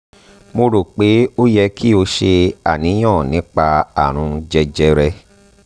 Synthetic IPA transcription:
mo˧ɾo˨k͡pe˨˦o˦jɛ˧ki˦o˧ʃe˧a˨nĩ˨˦j̃ɔ̃˦˨nĩ˨˦k͡pa˧a̰˨ɾ̃ũ˧d͡ʒɛ˧d͡ʒɛ˧ɾɛ˧

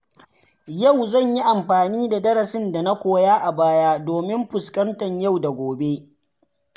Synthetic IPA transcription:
ja˦˨wzɐ˦˨ɲji˦ʔa˨mɸaː˨niː˦da˨dɐ˦ɾɐ˨sɪ˦nda˨na˦kʷoː˨jaː˦ʔa˨baː˦jaː˦doː˨mɪ˦mɸʊ˨skɐ˦ntɐ˨ɲja˦˨wda˨ɡʷoː˨be˦

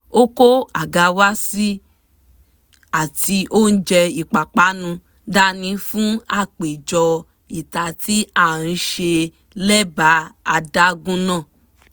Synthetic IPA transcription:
o˦ko˦a˨ɡa˧wa˦si˦ | a˨ti˧ʔo˦n̩˦d͡ʒɛ˧i˨k͡pa˨k͡pa˨˦nũ˧ | da˦nĩ˧fũ˦a˦˨k͡pe˨d͡ʒɔ˧ | i˨ta˧ti˦a˦˨ɾ̃ĩ˨˧ʃe˧ | lɛ˦ba˨˦a˧da˦ɡũ˦nãː˦˨

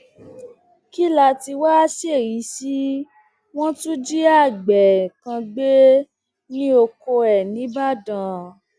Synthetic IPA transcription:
ki˦la˧ti˧wa˦si˦e˦˨ɾi˨˦si˦ | w̃ɔ̃˦tũ˦d͡ʒi˦a˦˨ɡ͡bɛ˨kã˧ɡ͡be˦ | nĩ˦o˧ko˧ɛ˨nĩ˨˦ba˦dã˨

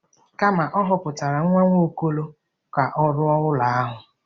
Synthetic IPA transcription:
ka˦ma˨ʔɔ˦ɦɔ˨pʊ˨ta˨ɾa˨ŋ̩˦ŋʷa˦ŋʷo˦˨ko˦lo˦ | ka˨ʔɔ˦ɾʊ˦ɔ˦ʊ˦la˨a˦ɦʊ˨

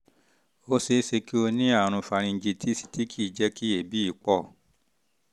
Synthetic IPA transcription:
o˧˦se˧˦se˧ki˦o˧nĩ˦a˦˨ɾ̃ũ˧fa˨˧ɾ̃ĩ˧n̩˦d͡ʒi˧tʰi˦si̥˨ti˦kʰi˦˨d͡ʒɛ˦ki˦e˨bi˦i˦˨k͡pɔ˦˨

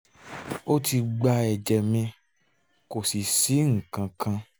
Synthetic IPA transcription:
o˦ti˧ɡ͡ba˧ɛ˨d͡ʒɛ˨mĩ˧ | ko˨si˨si˨˦ŋ̩˨kã˨kã˧

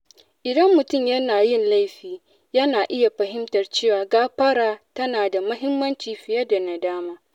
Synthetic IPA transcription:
ʔɪ˨dɐ˦mːʊ˨tʊ˦˨mjɐ˦naː˨jɪ˦˨nla˦jɸiː˦ | jɐ˦naː˨ʔɪ˦ja˨ɸɐ˨ɦɪ˦mtɐ˨rt͡ʃeː˦waː˨ɡaː˦ɸɐ˦ɾaː˦tɐ˦naː˨da˨mʊ˦ɦɪ˦mːɐ˦nt͡ʃiː˨ɸɪ˨jɐ˦da˨na˨daː˦maː˦

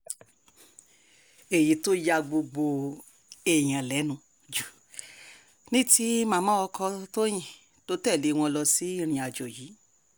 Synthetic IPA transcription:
e˨ji˨˦to˦ja˧ɡ͡bo˧ɡ͡bo˧ | ɛ˨j̃ã˨lɛ˨˦nũ˦˨ | d͡ʒu˨ | nĩ˦ti˦mãː˦˧mãː˦ɔ˧kʰɔ˧to˦j̃ĩ˨ | to˨˦tɛ˦˨le˨˦˧w̃ɔ̃˧lɔ˧si˨˦i˦ɾ̃ĩ˧a˧d͡ʒɔ˨ji˨˦

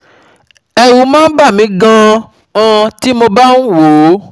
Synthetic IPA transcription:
ɛ˧wu˨˦mãː˦n̩˦ba˦˨mĩ˨˦ɡã˧ | ã˧ti˦mo˧ba˦n̩˦wo˨˦

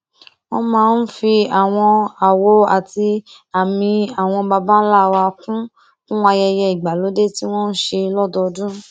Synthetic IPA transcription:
w̃ɔ̃˦mãː˦˧˦n̩˦fi˧a˨w̃ɔ̃˧a˨wo˨˦a˨ti˧ | a˨mĩ˧a˨w̃ɔ̃˧ba˧ba˦n̩˦la˦˨wa˧kũ˦ | kũ˦wa˧jɛ˧jɛ˧i˨ɡ͡ba˨lo˨˦de˦ti˦w̃ɔ̃˦n̩˦ʃe˧lɔ˦dɔ˧dũ˦

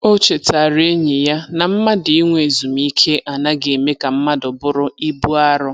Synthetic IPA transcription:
o˦t͡ʃe˨ta˨ɾe˦ɲɪ˨ja˦na˨m̩˦ma˦dɪ˨i˦ŋʷe˨zu˨m̩˦i˦kʰe˦ʔa˨na˦ɡe˨e˨me˦ka˨m̩˦ma˦dʊ˨bʊ˦ɾʊ˦i˦bu˦a˦ɾʊ˦

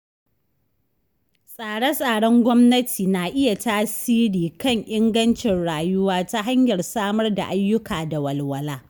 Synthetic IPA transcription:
sʼaː˨ɽɛ˦sʼaː˨ɽɔ˦ŋɡʷɔ˦mnɐ˦tʰiː˨naː˨ʔɪ˦ja˨taː˦siː˦ɽiː˨kɐ˦˨ɲʔɪ˦ŋɡɐ˦nt͡ʃɪ˨nɽaː˨jʊ˦waː˦ta˦ɦa˦ɲjɐ˨rsaː˦mɐ˦rda̰˨ʔa˦jːʊ˦kʰaː˨da˨wɐ˨lwɐ˨laː˦

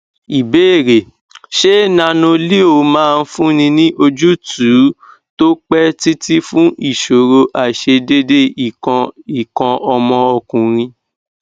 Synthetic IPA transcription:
i˨be˦e˦˨ɾe˨ | ʃe˦˨nã˧nõ˧li˦o˧˨mãː˦˧n̩˦fũ˦nĩ˧nĩ˦ʔo˧d͡ʒu˦tu˨˦ | to˦k͡pɛ˦ti˦ti˦fũ˦ʔi˦˨ʃo˨ɾo˧ʔa˨ʃe˧de˦de˦ĩ˨˧i˨kɔ̃˧ʔɔ˧mɔ̃˧ɔ˧kũ˨ɾ̃ĩ˧

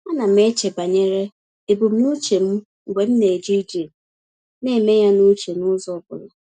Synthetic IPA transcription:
a˦na˨m̩˦e˦t͡ʃe˨ba˨ɲe˦ɾe˦ | e˨bu˨m̩˦nu˦t͡ʃe˨m̩˦ | ŋ̩˨ɡ͡bʷe˨m̩˦ne˨d͡ʒi˦d͡ʒi˨m˨ | ne˦e˨me˦ja˦nʊ˦t͡ʃe˨nʊ˦zɔ˦bʊ̰˨la˨

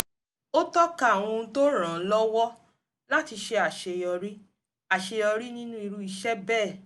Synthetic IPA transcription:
o˦tɔ˦ka˦a˨w̃ɔ̃˧˦to˦ɾ̃ã˨˦lɔ˦wɔ˦ | la˦ti˧ʃe˧˦a˨ʃe˧jɔ˧ɾi˦ | a˨ʃe˧jɔ˧ɾi˦nĩ˦nũ˦i˧ɾu˦i˧ʃɛ˦bɛː˦˨

